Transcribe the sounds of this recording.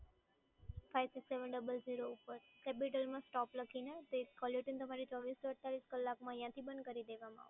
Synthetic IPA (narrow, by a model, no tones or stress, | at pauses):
fajʋsikseʋəɳɖəbəlziɾoupəɾkɛpiʈəlmãsʈɔpləkʰinet̪ekɔljuʈənt̪əmaɾit͡ʃɔʋist̪ɔəʈ̚t̪ʰːaliskəlːakmãjãt̪ʰibə̃nd̪̚kəɾid̪eʋamã̰a̰ʋ